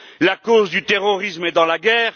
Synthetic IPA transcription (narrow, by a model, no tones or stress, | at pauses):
lakozd̪yt̪eʁɔʁismɛd̪ɑ̃laɡɛːʁ